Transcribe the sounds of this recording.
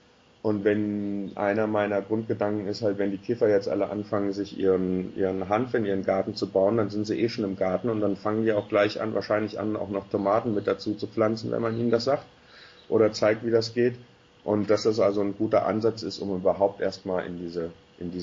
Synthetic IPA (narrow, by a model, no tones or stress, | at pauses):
ʔʊntv̥ɛnʔa̰ɪnɐmaɪnɐɡʁʊnt̚ɡ̥ədaŋkŋ̩ɪsthaltv̥ɛndiːkʰɪfɐjɛt͡stʔa̰ləʔa̰nfaŋənzɪçʔḭːʁənʔḭːʁənɦanfɪnʔiːʁ̞ənɡaɐtn̩t͡subaʊəndanzɪntz̥iːʔeːʃoːnɪmɡaɐtn̩ʊntd̥anfaŋəndiːaʊxɡ̥laɪçʔa̰nva̰ɐʃaɪnlɪçʔa̰na̰ʊxnɔχtʰomaːtn̩mɪt̚d̥at͡suːt͡sup͡flant͡sn̩vɛ̰nmanḭːnəndasz̥aːkt | ʔoːɾɐt͡saɪk̚tviːdasɡ̥eːt | ʔʊntd̥asd̥as̬ʔalzonɡuːtɐ̰ʔa̰nzat͡sɪstʊmyːbɐɦaʊp̚tʔeːɐstmaːlʔɪ̰ndiːzə | ʔɪndiː